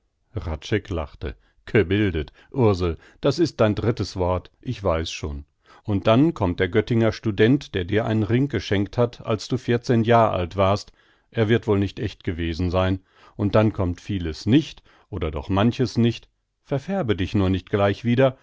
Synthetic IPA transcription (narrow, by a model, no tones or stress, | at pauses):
ʁat͡ʃɛkla̰χtə̰ | ɡ̥əbɪldət | ʔʊɐzl̩ | d̥asɪst̚d̥aɪndʁɪtəsv̥ɔɐtʔɪçv̥aɪsʃo̰ːn | ʔʊnt̚d̥ankʰɔmt̚d̥eːɐɡœtɪŋɐʃtudɛntd̥eːɐdiːɐʔa̰ɪnənʁɪŋɡ̥əʃɛŋkthatʰa̰lsd̥uːfɪɐt͡seːnjaːʁəʔa̰ltv̥aːɐst | ʔeːɐvɪɐtv̥oːlnɪçtʔɛçtɡ̥əveːzn̩zaɪn | ʔʊnt̚d̥ankʰɔmtfiːləsnɪçt | ʔoːdɐdɔ̰χmançəsnɪçt | fɛɐfɛɐbədɪçnuːɐnɪçt̚ɡ̥laɪçv̥iːdɐ